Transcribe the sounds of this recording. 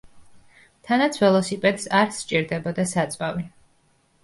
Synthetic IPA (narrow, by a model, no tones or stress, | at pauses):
t̪ʰanat̪sʰvɛlˠɔsipʼɛd̪saɾst͡ʃʼiɾd̪ɛbɔd̪asat̪sʼvavi